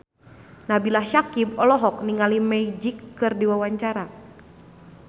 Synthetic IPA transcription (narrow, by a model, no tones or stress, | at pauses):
nabilahʃakibɔlɔɦɔk̚niŋalimɛid͡ʒikːɨrdiwawaɲt͡ʃaɾa